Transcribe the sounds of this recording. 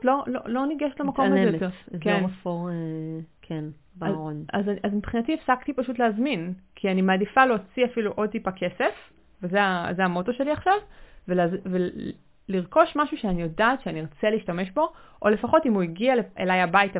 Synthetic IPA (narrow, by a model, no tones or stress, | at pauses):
tlololo̞niɡeʃetlemakomazejot̪eʁkemafoʁekʰen | bʁonazazmipχinatiefsakt̪ipaʃut̬leazminkʰianimaːdifaleot͡siafiluʔo̞d̚t̪ipakʰe̞sef | vezeazeamo̞to̞ʃe̞liaχʃavvelːzve | liʁko̞ʃmaʃuʃeanijo̞daːtʃeaniʁot͡seliːʃtameʃbo̞ʔole̞faχo̞timuiɡialeḛlajabait